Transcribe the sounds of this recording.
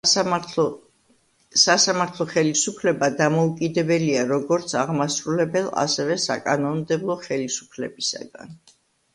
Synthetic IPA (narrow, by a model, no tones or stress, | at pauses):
sasamaɾt̪ʰlˠɔχɛlisupʰlɛbad̪amɔukʼid̪ɛbɛliaɾɔɡɔɾt̪sʰaʁmasɾulɛbɛlˠa̰sɛvɛsa̰kʼanɔnmd̪ɛblˠɔχɛlisu̥pʰlɛbisa̰ɡa̰n